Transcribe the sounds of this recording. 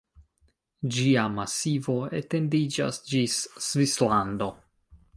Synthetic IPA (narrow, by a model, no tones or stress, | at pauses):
d͡ʒiamasivo̞e̞te̞ndid͡ʒa̰sd͡ʒisːvislando̞